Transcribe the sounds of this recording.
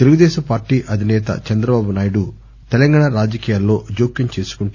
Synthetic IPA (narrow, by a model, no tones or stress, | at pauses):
t̪eluɡud̪ɛːʃɐmpaːɾʈːiːʔɐd̪ʱinɛːt̪ɐ̰t͡ʃɐnd̪ɾɐbaːbunaːjiɽu | t̪ɛlɐŋɡaːɳaɾaːd͡ʒɐkiːjaːlːo̞ːd͡ʒoːkːiɲt͡ʃe̞ːsu̥kuɳ